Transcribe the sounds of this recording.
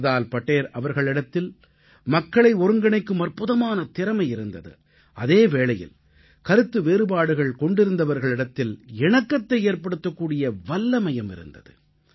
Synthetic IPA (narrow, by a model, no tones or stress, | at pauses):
ðaːlpɐʈːeːɾɐʋɐɾɣɐɭɪɽɐt̪ːɪl | mɐkːɐɭɐɪɔɾɯŋɡɐɳɐɪkːɯmɐrpɯðɐmaːnɐt̪ɪɾɐmɐɪɪɾɯnd̪ɐðɯ̰ | ʔɐðeːʋeːɭɐjɪ̰l | kɐɾɯt̪ːɯʋeːɾɯbaːɽɯɣɐɭkɔɳɖɪɾɯnd̪ɐʋɐɾɣɐɭɪɽɐt̪ːɪlɛɳɐkːɐt̪ːɐɪeːɾpɐɽɯt̪ːɐkːuːɽɪjɐʋɐlːɐmɐjɐmɪ̰ɾɯ̰nd̪ɐ̰ðɯ̰